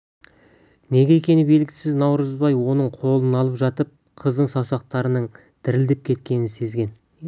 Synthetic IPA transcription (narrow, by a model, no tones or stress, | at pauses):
ne̞ɡʲe̞kʲʰe̞nɪbe̞lɡʲɪsɪznɑwɾəzbɑjwo̞nəɴqʰo̞lˠənɑlˠəpʒɑt̪əp̚ | qʰəzd̪əɴsɑwsɑq̚t̪ɑɾənəɴ | d̪̥ɪɾɪld̪ep̚kʲʰe̞t̪̚kʲe̞nɪnse̞zɡʲe̞n